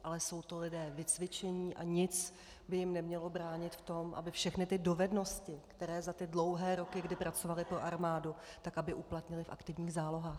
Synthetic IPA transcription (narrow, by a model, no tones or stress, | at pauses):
ʔalɛso̞wt̪olɪdɛːvɪt͡svɪt͡ʃɛɲiːʔa̰ɲɪt͡s | bɪjɪmnɛmɲɛlo̞bɾaːɲɪt̪ft̪o̞mʔa̰bɪfʃɛxnɪt̪ɪdo̞vɛdno̞scɪkt̪ɛɾɛːzat̪ɪdlo̞wɦɛːɾo̞kɪɡdɪpɾʔat͡so̞valɪpɾo̞ʔaɾmaːdʊt̪akabɪʔuplat̪ɲɪlɪfa̰kt̪ɪvɲiːxzaːlo̞ɦaːx